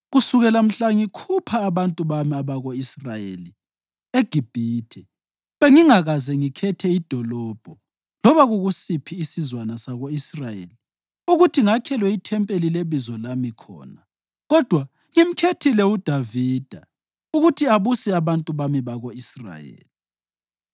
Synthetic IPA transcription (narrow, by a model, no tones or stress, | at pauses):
ɣusuɣɛlam̩ɬaŋikʰupʰaːβantʼuβamiaβaɣoisrajḛli | eɡ̥ʱib̥ʱiːtʰɛ | βeŋiŋaɣazɛŋikʰɛtʰɛid̥ʱɔlɔb̥ʱɔ | lɔβaɣuɣusipʰiːsizwanasaɣoisrajḛli | uɣutʰiŋakʰɛlwɛitʰɛmpʼelileβizɔlamikʰɔ̰ːna | ɣɔd̥ʱwa | ŋim̩kʰetʰilɛud̥ʱaviːd̥ʱa | uɣutʰiaβusɛaβantʼuβamiβaɣoisra̰jḛːli